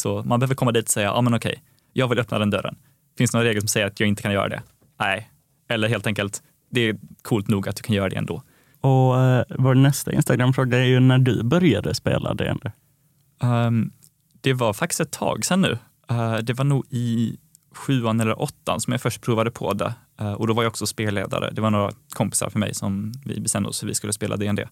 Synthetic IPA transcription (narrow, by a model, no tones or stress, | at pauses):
sɔma̰nbɛhøːvəɾkʰɔmːad̪iːt̪ɔ̥sɛjːa̰ʔɑ̰ːmɛnɔkʰɛ̰j | jɑːɡvɪlœpnad̪ɛnd̪œɾːə̰n | fɪnsnoːɾaɾeːɡəsɔmsɛjːəɾat̪jɑːɡɪnt̪əkʰanjœ̰ːɾʔa̰d̪ɛ̰ | næɪ | ɛlːəɾɦeːlt̪ɛŋkəlt̪ | d̪ɛːkʰuːlt̪nuːɡat̪̚d̪ɵ̥kʰanjœːɾad̪ɛ̰ɛ̰nd̪o̰ː | ɔvanɛst̪aɪ̰nst̪aɡɾamːfɾoːɡaɛɾjɵnæɖɵ̰bœɾjad̪ə̰spḛːlʔa̰d̪ɛ̰ɛ̰nd̪o | d̪̥ɛvaɾfak̚t̪ɪst̪ɛt̪ʰːɑ̰ːɡsɛnːʉ̟̰ː | d̪ɛvaɳuːɡɪ | ɧʉ̟ːanɛlːə̰ɾʔɔt̪ʰːa̰nsɔmjafœʂʈ̚pʰɾuːvad̪əpʰɔ̰d̪ɛ̰ | ʔɔd̪ɔvaɾjaɔksɔspeːlḛːd̪a̰ɾə̰d̪ɛvaɳoːɾa̰kʰɔmpɪ̥sa̰ɾfœɾmɛ̰jsɔmvɪ̰bɛst̪ɛmnd̪əɔ̰sfɔɾvɪskɵlːəspeːlʔad̪ɛɛnd̪ɛ̰ː